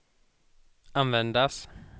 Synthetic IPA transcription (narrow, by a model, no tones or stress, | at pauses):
anvɛnd̪as